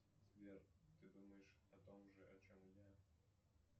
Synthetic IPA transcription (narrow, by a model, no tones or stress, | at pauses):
zvʲert̪ɨd̪uməjɪʂɐt̪omʐɨʔɐt͡ɕomja